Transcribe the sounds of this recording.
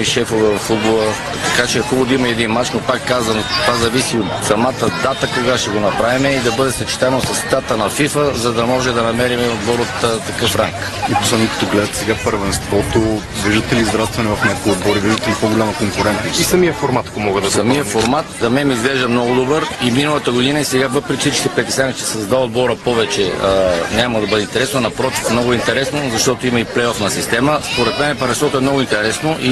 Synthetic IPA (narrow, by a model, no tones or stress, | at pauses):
iʃɛfovɛvɐffud̪bolˠə | t̪ɐkat͡ʃɛɐkubod̪imɐɛːd̪inmat͡ʃnopakːazvənt̪vazɐvisiot̪sɐmat̪əd̪at̪əkoɡaʃt̪ɛɡonɐpɾavimɛid̪ɐbɤd̪ɛsɐt͡ʃi̥t̪avɛnosɐsɛ̥t̪at̪ənɐfifəzɐd̪ɐmɔʒɛd̪ɐnɐmɛɾimɛod̪bɔɾot̪ːt̪ːɐkɤfɾa̰ŋk | ipo̥slɛd̪nokɐ̥t̪ɔɡlɛd̪ət̪ɛ̥sɛɡapəɾvɛnst̪vɔt̪o | viʒd̪ət̪ɛliːzvɾat̪t̪vɐnɛvɐfnʲakviod̪̚bɔɾiviʒd̪ət̪ɛlipoɡolʲaməkoŋkʊɾɛnt̪isɐmijəfoɾmat̪komɔɡəd̪ɐsɐmijəfoɾmat̪d̪ɐmɛmizɡlɛʒd̪əmnɔɡʊd̪obəɾiminəlˠət̪əɡʊd̪inəisɛɡavɤpɾɛkifsit͡ʃikt̪ipɾɛt̪ɛsʲanit͡ʃ̪ɛ̥sɛzd̪aod̪̚bɔɾəpɔvɛt͡ʃɛənʲaməd̪ɐbɤd̪ɛint̪ɛɾɛsnonɐpɾɔt̪i̥fmnɔɡʊɛint̪ɛɾɛsnozɐʃt̪ɔt̪oimɐiplɛjɔfnɐsist̪ɛməspoɾɛt̪mɛnɛpəɾvɛnst̪ɔt̪oɛmnɔɣʊint̪ɛɾɛsnoʔi